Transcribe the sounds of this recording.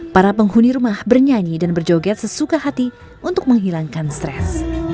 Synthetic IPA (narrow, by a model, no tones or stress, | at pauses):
paɾapəŋhuniɾumahbərɲaɲidanbərd͡ʒoɡɛt̪səsukaɦat̪i | unt̪ʊk̚məŋɦilaŋkanst̪ɾɛs